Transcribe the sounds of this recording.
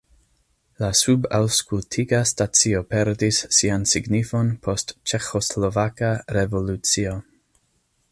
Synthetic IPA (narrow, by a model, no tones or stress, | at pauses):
lasuba̰wskultʰiɡastat͡sio̞pe̞ɾdisːiansiɡnifo̞npʰo̞stt͡ʃe̞xoslovakaɾe̞vo̞lut͡sio